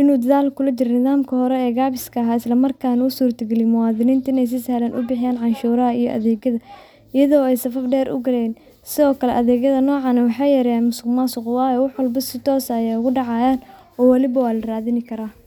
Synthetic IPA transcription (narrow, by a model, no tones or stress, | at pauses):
ʔɪnuːd̪ɐðaːlkʰʊlɐt͡ʃɪɾnɪðaːmkʰɐhɔɾɛɛːɡaːbɪskʰɐɐɦaːɪslɐmɐrkʰaːnɐʊsuːrt̪ʰɐɡɛlɪmʊwaːðɪniːnt̪ʰɪnɛjs̬ɪsahlɐːnʔʊbɪħɪjaːnʕɑnʃuːɾɐɦɐijɔʔɐ̰ðɛːɡɐðɐ | ɪjɐðɔːɛjsɐfɐbɖɛːɾʔʊ̰ɡɐlɛjn | sɪðɔːkʰɐlɛʔɐðɛːɡɐðɐnɔːʕɑnɐwɑħɑːjɐɾɛjaːnmʊsɪkmaːsʊqwaːjɛwɑħwɐlbʊsɪt̪ʰɔːsjaʊɣʊɖɑʕɑːjaːn | ɔːwɑlɪbɐwaːlɐraːðɪnɪkʰɐɾaː